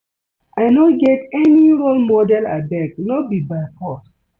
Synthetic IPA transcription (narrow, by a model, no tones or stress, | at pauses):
ʔaɪnɔɡɛtɛniɹolmɔdɛla̰bɛknɔbibajpʰɔt